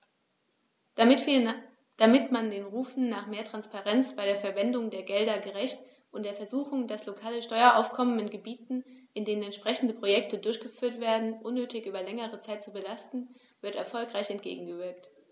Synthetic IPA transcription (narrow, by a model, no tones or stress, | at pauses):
d̥amɪtmandeːnʁuːfn̩naːχmeːɐtʁ̥anspaʁɛnt͡sb̥aɪɾeːɐfɛɐvɛndʊŋdeːɐɡɛldɐɡəʁɛçt | ʔʊntd̥eːɐfɛɐzuːxʊŋdaslokʰaːləʃtɔʏɐʔa̰ʊfkʰɔmənɪnɡəbiːtn̩ʔɪndeːnənɛntʃpʁ̥ɛçn̩dəpʁ̥ojɛk̚tədʊɐçɡ̥əfyːɐtv̥eːɐdn̩ʔʊnːøːtɪçʔyːbɐlɛŋəʁət͡saɪt̚t͡subəlastn̩ | v̥ɪɐtɛ̰ɐfɔlkʁ̥aɪçɛntɡ̥ḛːɡŋ̩ɡəvɪɐkt